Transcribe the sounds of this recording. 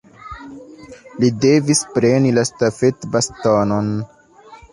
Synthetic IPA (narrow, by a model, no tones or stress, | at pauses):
lide̞vispɾe̞nilastafe̞tbastonon